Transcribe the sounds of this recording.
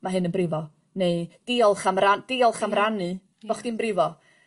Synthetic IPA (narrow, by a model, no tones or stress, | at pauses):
maɦɨnənbrɪvɔ | ned̥ɪɔlˠχamrand̥ɪɔlˠχamranɨ̥ | ɔχd̥inbrɪvɔ